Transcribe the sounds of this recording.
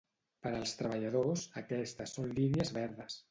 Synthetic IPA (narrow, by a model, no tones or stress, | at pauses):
pəɾəːlˠst̪ɾəβəʎəð̞osəkɛst̪əsːonliniəzβɛɾðəs